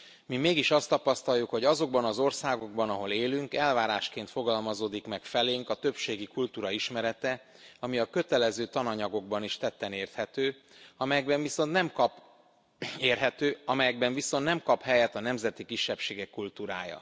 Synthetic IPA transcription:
mimeːɡiʃɒst̪ɒpɒst̪ɒjukho̞ɟɒzo̞ɡ̚bɒnɒzo̞rsaːɡo̞ɡ̚bɒnɒɦo̞leːlyŋkɛlvaːɾaːʃkeːnt̪fo̞ɡɒlmɒzoːd̪ikmɛkfɛleːŋkɒt̪øpʃeːɡikult̪uːɾɒiʃmɛɾɛt̪ɛ | ɒmiɒkø̞t̪ɛlɛzøːt̪ɒnɒɲɒɡo̞ɡ̚bɒniʃt̪ɛt̪ːɛneːrt̪hɛt̪øː | ɒmɛjɛɡbɛɱviso̞nt̪nɛmkɒp | eːrɦɛt̪øːɒmɛjɛɡ̚bɛɱviso̞nnɛmkɒphɛjɛt̪ɒnɛmzɛt̪ikiʃːɛpʃeːɡɛkːult̪uːɾa̰ːjɒ̰

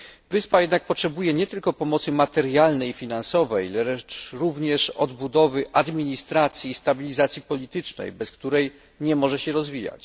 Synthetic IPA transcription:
vɘspajɛd̪nak̚pɔtʂɛbujɛɲɛt̪ɘlkɔpɔmɔt̪sɘmat̪ɛɾjalnɛjfʲinansɔvɛjlɛɛt͡ʂɾuvɲɛʂɔd̪bud̪ɔvɘʔad̪mʲiɲist̪ɾat̪sʲjiːst̪abʲilʲizat̪sʲjipɔlʲit̪ɘt͡ʂnɛ̰jbɛskt̪uɾɛj | ɲɛmɔʐɛɕɛɾɔzvʲija̰t͡ɕ

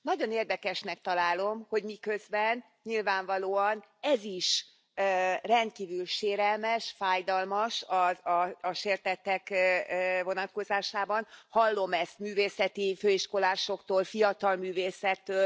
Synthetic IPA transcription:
nɒɟo̞neːrd̪ɛkɛʃnɛk̚t̪ɒlaːlo̞mho̞ɟmikø̞zbɛn | ɲilvaːɱvɒloːɒnɛziʃ | rɛnt̪̚kiːvylʃeːɾɛlmɛʃfaːjd̪ɒlmɒʃɒɒːʃeːrt̪ɛt̪ɛk | vo̞nɒt̪ko̞zaːʃaːbɒnhɒlːo̞mɛst̪myːveːsɛt̪iføːiʃko̞laːʃo̞kt̪oːlfijɒt̪ɒlmyːveːsɛt̪ːøː

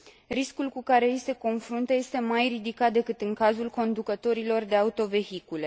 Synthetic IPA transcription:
ɾiskulkukaɾe̞ijse̞ko̞nfɾunt̪əje̞st̪e̞majrid̪ikat̪̚d̪e̞kɨt̪ɨŋkazulko̞nd̪ukət̪o̞ɾilo̞rd̪e̞aut̪o̞ve̞hikule̞

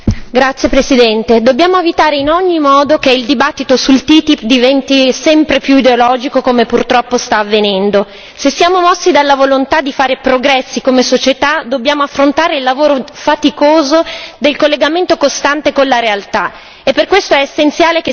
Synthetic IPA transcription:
ɡɾat̪sːjepɾesid̪ɛnt̪ed̪objaːmoevit̪aːɾeinɔɲːimɔːd̪okeild̪ibat̪ːit̪osult̪iːt̪ipd̪ivɛnt̪isɛmpɾepjuid̪eolɔːd͡ʒikokomepurt̪ɾɔpːost̪aːvːenɛnd̪o | sesːijaːmomɔsːid̪alːavolont̪ad̪ːifaːɾepɾoɡɾɛsːikomesot͡ʃet̪ad̪objaːmoafːɾont̪aːɾeilːavoːɾofat̪ikoːzod̪elkolːeɡament̪okost̪ant̪ekolːaɾealt̪a | epːerkwest̪oɛːsːent̪sjaːleke

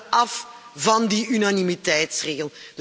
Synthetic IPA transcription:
ɑf | vɑndiynanimitɛjtsreːɣəld̥

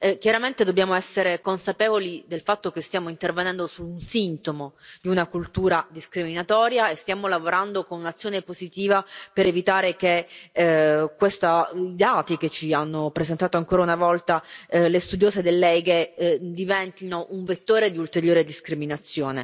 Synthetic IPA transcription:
kjaɾament̪ed̪obːjaːmoɛsːeɾekonsapeːvolid̪elfat̪ːokest̪jaːmoint̪ervenɛnd̪osuːnsint̪omod̪iunakult̪uːɾad̪iskɾiminat̪ɔːɾjaest̪jaːmolavoɾand̪okonunat̪sːjoːnepozit̪iːvapeɾevit̪aːɾeke | kːwest̪aid̪aːt̪iket͡ʃːianːopɾesent̪aːt̪oaŋkoːɾaunavɔlt̪alest̪ud̪joːsed̪elːɛɡed̪ivɛnt̪inoʔuɱvet̪ːoːɾed̪iult̪eɾjoːɾed̪iskɾiminat̪sːjoːne

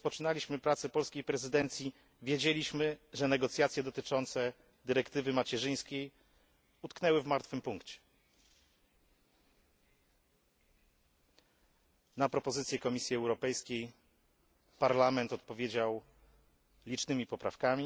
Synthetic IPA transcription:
spɔt͡ʂɘnalʲiɕmɘpɾat̪sɛpɔlskʲejpɾɛzɘd̪ɛnt̪sʲji | vʲjed͡ʑelʲiɕmɘʐɛnɛɡɔt̪sʲjat̪sʲjɛd̪ɔt̪ɘt͡ʂɔnt̪sɛ | d̪ɘɾɛkt̪ɘvɘmat͡ɕɛʐɘj̃skʲej | ut̪knɛwɘvmaɾt̪fɘmpuŋkt͡ɕɛ̥ | napɾɔpɔzɘt̪sʲjɛkɔmʲisʲjiɛwɾɔpɛjskʲej | paɾlamɛnt̪ɔt̪̚pɔvʲjed͡ʑaw | lʲit͡ʂnɘmʲipɔpɾa̰fkamʲi

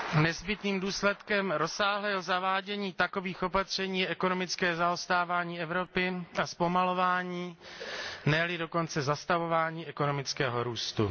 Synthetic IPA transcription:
nɛzbɪt̪niːmduːslɛt̪kɛmɾo̞saːɦlɛːɦozavaːɟɛɲiːt̪akoviːxo̞pat̪r̝̥ɛɲiːjɛɛko̞no̞mɪt͡skɛːzaost̪aːvaːɲiːɛvɾo̞pɪaspo̞malo̞vaːɲiː | nɛlɪdo̞ko̞nt͡sɛzast̪avo̞vaːɲiːʔɛko̞no̞mɪt͡skɛːɦo̞ɾuːst̪ṵ

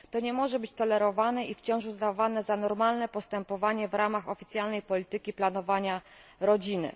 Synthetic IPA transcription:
t̪ɔɲɛmɔʐɛbɘt͡ɕt̪ɔlɛɾɔvanɛʔift͡ɕɔ̃w̃ʂuzd̪avanɛzanɔɾmalnɛpɔst̪ɛmpɔvaɲɛvɾamaxɔfʲit̪sʲjalnɛjpɔlʲit̪ɘkʲiplanɔvaɲa | ɾɔd͡ʑinɘ̰

